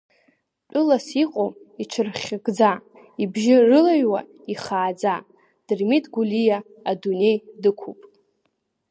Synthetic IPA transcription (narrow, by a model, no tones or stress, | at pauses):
t͡pʷʼʊlasiqʼoiʈ͡ʂʷʰɨrχʲɡʼd͡za | ibʒɪrɨlaɥwa̰ | iχaːd͡za | d̥ɨrmitʼɡulijaː | dune̞jdɨkʷʰupʼ